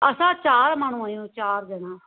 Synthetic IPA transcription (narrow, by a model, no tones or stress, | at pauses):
əsãːt͡ʃaːɾmənũːãjõːt͡ʃaːɾd̪ɪnãː